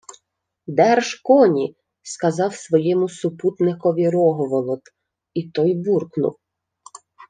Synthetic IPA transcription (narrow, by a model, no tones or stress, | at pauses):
d̪ɛrʒkɔnʲi | skɐzɑwsʋɔjɛmʊsʊput̪nɪkɔʋʲiɾɔɦɔʋɔlˠɔt̪ | it̪ɔjburknʊ̰w